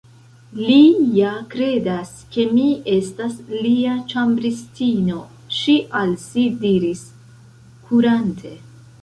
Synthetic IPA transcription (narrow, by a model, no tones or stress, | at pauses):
lijakɾe̞das | ke̞mie̞stasliat͡ʃambɾistino̞ | ʃiʔalsidiɾis | kʰuɾantʰe̞